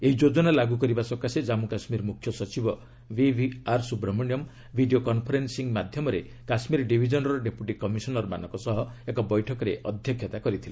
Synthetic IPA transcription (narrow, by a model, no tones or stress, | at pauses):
eɦid͡ʒod͡ʒɔnalaɡukɔɾibasɔkased͡ʒamukasmiɾmukʰjɔsɔt͡ʃibɔ | bibʱiaɾsubɾɔmɔnjɔm | bʱiɖiokɔnpʰɔɾensiŋmad̪ʱjɔmɔɾe | kasmiɾɖibʱid͡ʒɔnɾɔɖepuʈikɔmisɔnɔɾɔma̰nɔŋkɔsɔɦɔekɔbɔjʈʰɔkɔɾeɔd̪ʱjɔkʰjɔt̪akɔɾit̪ʰile